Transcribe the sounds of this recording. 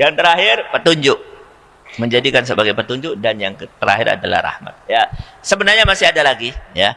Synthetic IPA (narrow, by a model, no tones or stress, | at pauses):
jaŋt̪əɾaɦɪrpət̪uɲd͡ʒʊʔ̚ | məɲd͡ʒadikans̬əbaɡajpət̪uɲd͡ʒʊʔ̚danjaŋt̪əɾa̰ɦɪɾa̰dala̰hɾa̰hma̰t̪̚jasəbənarɲamasɪadalaɡija̰